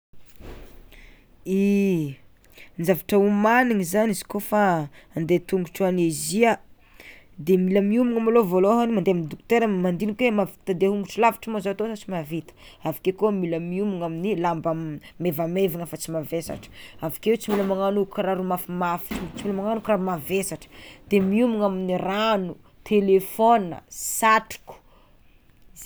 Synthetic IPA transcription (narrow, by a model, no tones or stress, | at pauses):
i | nizavaʈ͡ʂəumaniŋizanizi̥kofaːnd̪et̪uŋɡuʈ͡ʂanezia | d̪emiləmiumuŋamalovoloɦanimand̪eamind̪ukt̪eɾamand̪inikwemavi̥t̪ad̪eɦuŋɡuʈ͡ʂilavḁʈ͡ʂəmazaat̪osat͡simavit̪ə̥ | avakekomiləmiumuŋaminilambamevameviŋafat͡simavesa̰ʈ͡ʂə̥avḁkewet͡similəmaŋanukɾaɾumafimafi̥ʈ͡ʂt͡similəmaŋanukiɾamavesaʈ͡ʂə̥d̪̥emiumuŋaminiranu | t̪ʰelefonə̰saʈ͡ʂi̥ku̥